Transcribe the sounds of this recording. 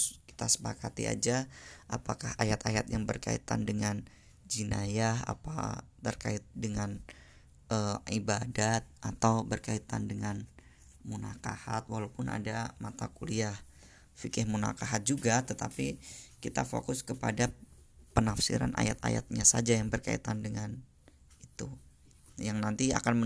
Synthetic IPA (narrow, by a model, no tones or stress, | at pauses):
ki̥t̪asə̥pakat̪ḭa̰d͡ʒaʔapakahajat̪ajat̪̚jaŋbərka̰ḭt̪andəŋan | d͡ʒinajaɦa̰pa̰t̪ːərkaɪt̪̚dəŋan | əibadat̪̚ʔat̪awbərkait̪andəŋan | munakahat̪waɦlawpʊnʔa̰damat̪akuliah | fikɪhmuna̰kaɦat̪̚d͡ʒuɡat̪ət̪apikit̪afo̰kʊskəpadapənafsḭɾa̰nʔa̰jat̪a̰ja̰t̪̚ɲasad͡ʒajaŋbərka̰ḭt̪andəŋan | it̪u | jaŋnant̪ia̰kanmə